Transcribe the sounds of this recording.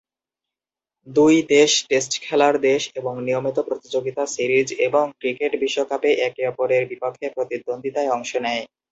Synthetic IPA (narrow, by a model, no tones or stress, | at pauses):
d̪ujd̪eʃʈesʈkʰɛlaɾd̪eʃeboŋnijomit̪opɾot̪id͡ʑoɡit̪asiɾid͡ʑeboŋkɾikeʈbiʃːokapeʔɛkeɔpoɾeɾbipokʰːepɾot̪id̪ːond̪ʱit̪aeɔŋʃonɛj